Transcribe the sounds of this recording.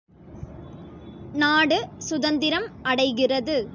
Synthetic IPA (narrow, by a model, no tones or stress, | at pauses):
naːɽɯsʊðɐnd̪ɪɾɐmɐɽɐɪɣɪrɐðɯ